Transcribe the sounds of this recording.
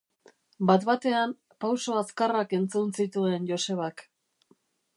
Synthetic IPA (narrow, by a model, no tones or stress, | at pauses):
bat̪βat̪e̞am | pawsoaskarake̞nt͡sunsit̪ue̞njo̞se̞βak